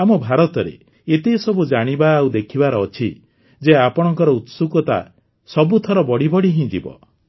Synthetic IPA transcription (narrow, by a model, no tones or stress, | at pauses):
amɔbʱaɾɔt̪ɔɾḛ | et̪esɔbud͡ʒaɽ̃ibaːud̪ekʰibaɾɔːt͡ʃʰi | d͡ʒeapɔɽ̃ɔŋkɔɾɔut̪sukɔt̪a̰ | sɔbut̪ʰɔɾɔbɔɽibɔɽiɦĩd͡ʒḭbɔ̰